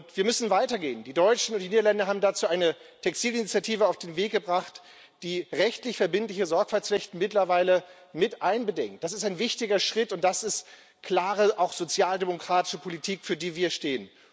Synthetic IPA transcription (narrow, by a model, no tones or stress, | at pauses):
ʊntv̥iːɐmʏsn̩vaɪtɐɡḛːəndiːdɔʏt͡ʃn̩ʊntiːniːdɐlandɐɦaːbm̩dat͡suːʔaɪnətʰɛkstiːlinit͡sjatʰiːvəaʊfd̥eːnveːkɡəbʁaχt | d̥iːʁɛçtlɪçfɛɐbɪntlɪçəzɔɐkfalt͡sflɛçtn̩mɪtlɐvaɪlə | mɪtʔaɪnbədɛŋkt̚d̥asɪstaɪnvɪçtɪɡɐʃʁ̥ɪtʊnt̚d̥asɪst | kʰl̥aːʁəʔaʊxz̥ot͡sjaːldemokʁ̥aːtɪ̥ʃəpʰolitʰiːkfyːɐdiːviːɐʃteːən